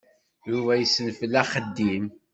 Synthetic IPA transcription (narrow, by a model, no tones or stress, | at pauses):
jʊvæjəsːənfəlːæχəd̪ːim